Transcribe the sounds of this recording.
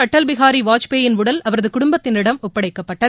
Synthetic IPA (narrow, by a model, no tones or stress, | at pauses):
ɐʈːɐlbɪɣaːɾiʋaːt͡ʃpeːjɪnʊɽɐlɐʋɐɾɐðɯkʊɽʊmbɐt̪ːɪnɪɽɐmʊpːɐɽɐɪkːɐpːɐʈːɐ